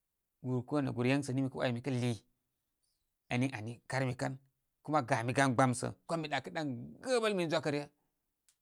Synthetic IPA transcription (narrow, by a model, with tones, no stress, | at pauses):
ɡu˨ɾko˦na̰˨ɡu˨ɾja˦ŋsə˨ni˦mi˨kə˦wa̰˨ji˨mi˨kɐ˦li˨ | a˨ni˦ʔa˨ni˨ka˦ɾmi˨ka˦n | ku˦ma˦ɡa˨mi˨ɡa˦nɡ͡ba˦msə̰˨kʷo˦mi˨ɗa˨kə˦ɗa˦ŋɡə˦ba˦lmi˦n˦d͡ʒʷa˦kə˦ɾja˦